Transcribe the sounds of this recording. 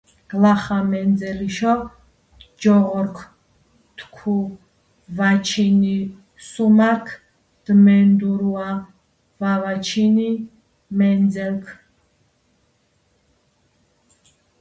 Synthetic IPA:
ɡ̥laχamɛnd͡zɛliʃɔ | d͡ʒɔʁɔɾkʰ | t̪ʰkʰu | vat͡ʃʰini | sumaɾkʰ | d̪̥mɛnd̪uɾua | vavat͡ʃʰini | mɛnd͡zɛlkʰ

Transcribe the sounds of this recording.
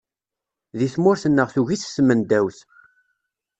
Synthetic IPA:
ðiθmʊɾθənːəʁθuʝiθsmənd̪æwθ

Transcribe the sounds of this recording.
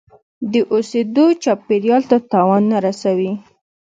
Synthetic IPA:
d̪əʔosed̪ot͡ʃɑpeɾjɑlt̪at̪ɑwɑnːaɾasawi

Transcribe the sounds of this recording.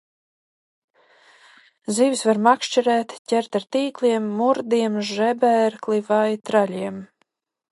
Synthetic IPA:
ziːvisvaɾmakʃt͡ʃiɾɛːt̪cʲɛɾt̪aɾt̪iːklʲiɛmːuɾd̪iɛmʒɛbɛɾklivajt̪ɾalʲiɛm

